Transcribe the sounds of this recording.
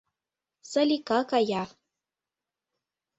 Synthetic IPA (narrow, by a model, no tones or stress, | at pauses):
salʲikakaja